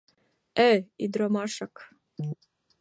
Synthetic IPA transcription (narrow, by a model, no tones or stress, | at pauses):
ɛid̪ɾomaʃak